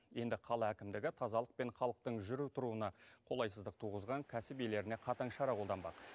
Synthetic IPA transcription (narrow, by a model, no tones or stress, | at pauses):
je̞nd̪ɪqʰɑlˠɑækʲɪmd̪ɪɡʲɪt̪ʰɑzɑlˠəq̚pe̞ɴχɑlˠəq̚t̪əɴʒʏɾut̪ʰʊɾuənɑqʰo̞lˠɑjsəzd̪əq̚t̪ʰuʁəzʁɑŋkʲʰæsɪpejle̞ɾɪne̞qʰɑt̪ɑɴʃɑɾɑqʰolˠd̪ɑnbɑq